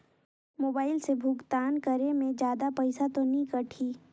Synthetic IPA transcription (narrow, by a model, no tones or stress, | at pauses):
moːbaːɪlsebʱʊɡt̪aːnkəɾemẽd͡ʒjaːd̪apɐɪsat̪onĩkɐʈʰiː